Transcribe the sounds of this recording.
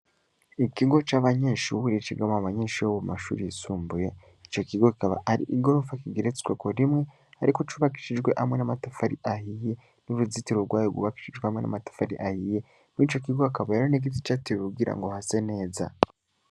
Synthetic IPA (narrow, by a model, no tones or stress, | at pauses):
ikiɡo̞t͡ʃaβaɲeːʃuuɾit͡ʃiɡamoβaɲeːʃiwoβumaʃṵːɾiisuːmbuje̞ | it͡ʃo̞kiɡokikaβa̰aɾḭʔiɡo̞ɾofakiɡiɾet͡swekoɾimŋe̞ | aɾikot͡ʃuβaki̥ʃid͡ʒɡwe̞ʔhamŋe̞namatafaɾiʔahije̞ | niβuzitiɾoɡwaːjoɡṵβaki̥ʃiʒɡwehamŋe̞na̰matḁfaɾḭʔahije | nit͡ʃo̞kiɡoakaβajaɾoneɡ̬iti̥t͡ʃatiɾiuuɡiɾa̰ŋɡo̞hase̞ne̞ːza̰